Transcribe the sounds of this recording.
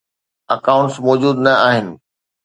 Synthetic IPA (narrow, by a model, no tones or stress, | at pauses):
ɐkaːʊ̃ɳʈsmɔːd͡ʑuːd̪nɐaːɦɪnɪ̆